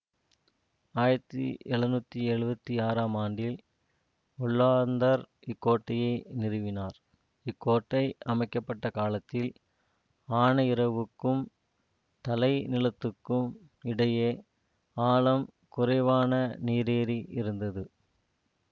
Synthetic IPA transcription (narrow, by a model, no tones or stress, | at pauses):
aːjɾɐt̪ːḭɛɻɯnuːt̪ːiɛɻɯbɐt̪ːiaːɾaːmaːɳɖɪl | ʊɭːaːɾnd̪ɐɾ | ɪkːoːʈːɐjɐɪnɪɾɯʋɪnaːɾ | ɪkːoːʈːɐɪʔɐmɐɪkːɐpːɐʈːɐkaːlɐt̪ːɪl | aːɳɐɪɾɐʋɯkːɯm | t̪ɐlɐɪnɪlɐt̪ːɯkːɯm | ɪɽɐjeː | aːlɐmkʊɾɐɪʋaːnɐniːɾeːɾiʔɪɾɯnd̪ɐðɯ